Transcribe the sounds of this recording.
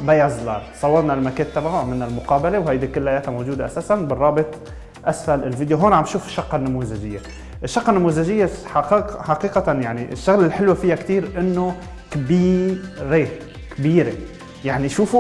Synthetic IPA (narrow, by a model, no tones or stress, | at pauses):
bajazˤlɑ̰ːɾˤsˤɑwːɑɾˤnalmakeːnt̪ːabʕaʕmɪlnalmʊqɑːbalewhajd̪ikʊlːʔajaːt̪mowʒuːd̪eʔasaːsanbɪrˤːɑːbɪt̪ˤ | ʔasfalɪlvid̪joɦoːnʕambʃuːfɪ̥ʃːɑqːɑnːamuzaʒɪjːe | ʔɪʃːɑqːɑnːamuzaʒɪjːeħaqːħaqiːqat̪anjaʕniʔɪ̰ʃːʊɣlɪlħɪlwefɪjːakt̪iːɾʔɪnːo | kbiːɾe | kbiːɾe | jaʕniʃuːfu